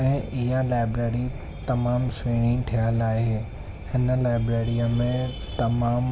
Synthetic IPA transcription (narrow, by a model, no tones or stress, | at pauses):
ɛ̃ːʔɪɦãlaːɪbɾeːɾi | t̪ɐmaːmseːɽ̃ĩʈ̪ʰijəlaːɪɦeː | hɪnə̆laːɪbɾeːɾiəmẽ | t̪ɐmaːm